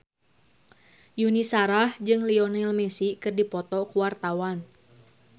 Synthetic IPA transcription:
junisaɾahd͡ʒɨŋliɔnɛlmɛsikɨrdipɔt̪ɔkuwart̪awan

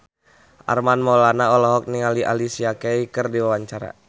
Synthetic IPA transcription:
ʔa̰rmanmɔlanaɔlɔɦɔk̚niŋaliʔa̰lisiakeikərdiwawaɲt͡ʃaɾa̰

